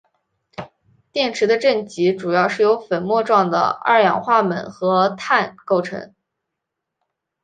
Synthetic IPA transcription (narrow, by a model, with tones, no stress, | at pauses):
t̪jɛ˥˩nʈ͡ʂʰɻ̩˧˥d̪ə˧ʈ͡ʂə˥˩nt͡ɕi˧˥ʈ͡ʂu˨˩jɑ˥˧ʊʂɻ̩˥˩jo˧˥ʊfə˨˩nmwɔ˥˧ʈ͡ʂwɑ˥˩ŋd̪ə̰˩ə̰˞˥˩jɑ̰˨˩ŋxwa˥˩mə˨˩nxɤ˧˥t̪ʰa˥˧nko˥˩ʊʈ͡ʂʰɤ̰˧˥ŋ